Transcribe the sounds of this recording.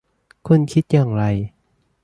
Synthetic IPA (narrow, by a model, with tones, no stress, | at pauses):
kʰu˧˥˨nkʰi˦˥t̪̚jaː˨˩ŋɾa˧j